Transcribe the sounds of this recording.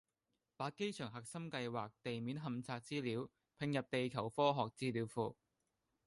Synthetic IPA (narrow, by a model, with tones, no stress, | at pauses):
paː˨˥ke˥jt͡ʃʰœː˨˩ŋɦɐ˨k̚sɐ˥mkɐ˧jwaː˨k̚t̪e˨jmiː˨˥nɦɐ˨mt͡sʰaː˧k̚t͡siː˥liː˨˥w | pʰɪ˨˧ŋjɐ˨p̚t̪e˨jkʰɐ˨˩wfɔː˥ɦɔː˨k̚t͡siː˥liː˨˥wfuː˨˩